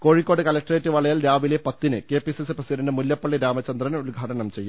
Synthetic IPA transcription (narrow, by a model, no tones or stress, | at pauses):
ko̞ːɻikːo̞ːɽɨkɐlɐk̚ʈːɐreːtːɨʋɐɭɐjaːlɾaːʋile̞pɐt̪ːinɨke̞ːpisisɨprɐsiɾɐndɨmuljɐpːɐɭːiɾaːmɐt͡ɕːɐnd̪rɐnulɡʱaːʈɐnɐmt͡ɕe̞jːu